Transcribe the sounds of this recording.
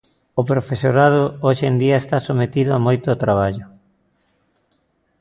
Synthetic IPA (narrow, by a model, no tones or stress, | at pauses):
ʊpɾofesoɾað̞ʊoʃend̪iɐest̪asomet̪iðʊamojt̪ʊːt̪ɾaβ̞aʎʊ